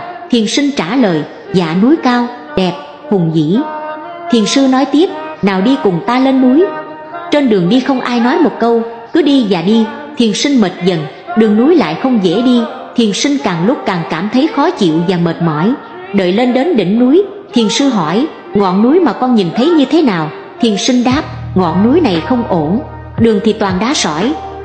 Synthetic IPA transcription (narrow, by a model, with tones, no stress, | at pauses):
t̪ʰi˨˩ənsï˧ŋ̟t͡ɕaː˧˩ləː˨˩j | za̰ː˧˩nu˨˦jkaː˧w | ɗɛ˨˩p̚ | hʊ˨˩ŋ͡mzḭ˧˥ | t̪ʰi˨˩ənsɨ˧nɔ˨˦jt̪i˦˥əp̚naː˨˩wɗi˧kʊ˨˩ŋ͡mt̪aː˧le˧nːu˨˦j | t͡ɕe˧nɗɨ˨˩əŋɗi˧xə˧wŋ͡mʔaː˧jnɔ˨˦jmo˨˩t̚kə˧w | kɨ˨˦ɗi˧zaː˨˩ɗi˧ | t̪ʰi˨˩ənsi˧ŋ̟mə˨˩t̚zə˨˩n | ɗɨ˨˩əŋnu˨˦jla̰ː˧˨jxə˧wŋ͡mzḛ˧˥ɗi˧ | t̪ʰi˨˩ənsi˧ŋ̟kaː˨˩ŋlʊ˦˥k͡p̚kaː˨˩ŋkaː˧˩mt̪ʰə˨˦jxɔ˨˦t͡ɕḭ˧˨əwvaː˨˩məː˨˩t̚mɔ̰˧˩˦j | ɗə̰ː˧˨jle˧nɗe˨˦nɗḭ˧˩ŋ̟nu˨˦j | t̪ʰi˨˩ənsɨ˧ɦɔ˧˩j | ŋɔ̰˧˨nːu˨˦jmaː˨˩kɔ˧nɲi˨˩nt̪ʰə˨˦jɲɨ˧t̪ʰe˨˦naː˨˩w | t̪ʰi˨˩ənsï˧ŋ̟ɗaː˦˥p̚ŋɔ̰˧˨nːu˨˦jna˨˩jxə˧wŋ͡mʔo˧˩n | ɗɨ˨˩əŋt̪ʰi˨˩t̪waː˨˩nɗaː˨˦sɔ̰˧˩˨j